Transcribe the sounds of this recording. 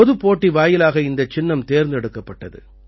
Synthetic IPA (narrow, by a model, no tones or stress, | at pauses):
ɔðɯpːoːʈːiʋaːjɪlaːɣɐɪnd̪ɐt͡ʃːɪnːɐmt̪eːɾnd̪ɛɽɯkːɐpːɐʈːɐðɯ̰